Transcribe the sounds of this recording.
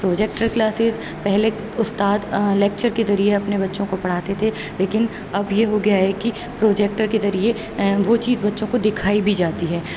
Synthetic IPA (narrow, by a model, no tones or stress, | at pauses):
pɾoːd͡ʒɛk̚ʈəɾklaːsɪz | pɛɦle | ʊst̪aːd̪lɛːk̚t͡ʃəɾkezɐɾieɐpnebɐtːʃõkopɐɽ̤aːt̪et̪ʰe | leːkɪn | ɐbjeɦoɡɐjaɦɛki | pɾoːd͡ʒeːk̚ʈəɾkezɐɾie | ʋot͡ʃiːzbɐtːʃõkod̪ɪkʰaːibʱid͡ʒaːt̪iɦɛː